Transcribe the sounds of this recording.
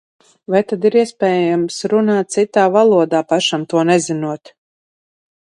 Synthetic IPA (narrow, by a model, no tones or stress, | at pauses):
vajt̪ad̪iɾiɛspɛːjamsɾunaːt̪̚t̪sit̪aːvalˠuɔd̪aːpaʃamt̪uɔnɛzinuɔt̪